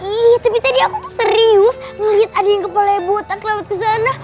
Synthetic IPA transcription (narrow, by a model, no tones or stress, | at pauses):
it̪apit̪adiakut̪ʊsəɾiʊsŋəlit̪̚adajaŋkəpalajabuat̪akəlawat̪̚kəs̬ana